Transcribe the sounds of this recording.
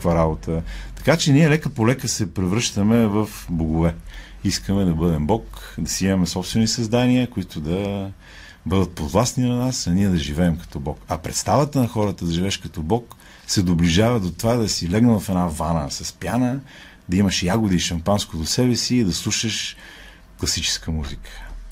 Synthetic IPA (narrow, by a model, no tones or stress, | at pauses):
kkvaɾabot̪ʰət̪ɐ̥kat͡ʃɛniɛlɛkəpolɛkəsɛpɾɛvɾɤʃt̪əmɛvɐfboɡʊvɛ | iskəmɛd̪ɐbɤd̪ɛmbɔkd̪ɐsɛmɐmɛsɔpst̪vɛnisɐzd̪aniəkoit̪ʊd̪ɐ | bɤd̪ət̪̚pod̪vlˠasninɐnasɐniɛd̪ɐʒivɛːmkɐ̥t̪ɔbɔkɐpɾɛt̪st̪avət̪ənɐxɔɾət̪əd̪ɐʒivɛʃkɐt̪ɔbɔk | sɛd̪obliʒavɐd̪ot̪ovad̪ɐsilɛɡnəvɐfɛnavanə̰sɐspjanə | d̪ɐimɐʃjaɡʊd̪iːʃɐmpanskod̪osɛbɛsiːd̪ɐslˠuʃəʃ | klˠɐsit͡ʃɛ̥skəmuzikə̥